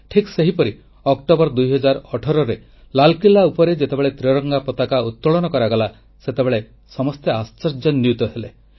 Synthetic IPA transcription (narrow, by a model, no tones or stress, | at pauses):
ʈʰikseɦipɔɾi | ɔk̚ʈobɔɾɔd̪ujɦɔd͡ʒaɾɔʈʰɔɾɔɾe | lalkilːaupɔɾed͡ʒet̪ebeɭet̪ɾiɾɔŋɡapɔt̪akaut̪ːɔɭɔnɔkɔɾaɡɔla | set̪ebeɭe | sɔmɔst̪east͡ʃɔɾd͡ʒɔnːjut̪ɔɦelḛ